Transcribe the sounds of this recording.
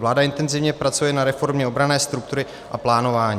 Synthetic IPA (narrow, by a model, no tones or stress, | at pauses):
vlaːdaɪnt̪ɛnzɪvɲɛpɾat͡sujɛnaɾɛfo̞ɾmɲɛo̞bɾanɛːst̪ɾuk̚t̪uɾɪ | ʔaplaːno̞vaːɲiː